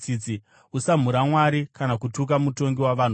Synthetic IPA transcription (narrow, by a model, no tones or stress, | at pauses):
it͡si | usam̤uɾamwaɾikanakutuk̬amuto̞ŋɡiwaʋan̤u